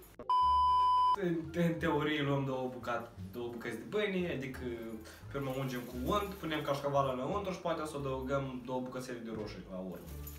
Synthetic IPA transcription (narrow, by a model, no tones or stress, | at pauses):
ɨnt̪ɨnt̪e̞oɾijeluəmd̪owəbukat̪d̪owəbukət̪sʲd̪ʲebɨniad̪ikʰə | permaund͡ʒemkuund̪punemkaʃkavalalaunt̪ɾuʃi̥pat̪easod̪əuɡəmd̪owəbukət̪sʲeled̪eɾoʃurʲlaurm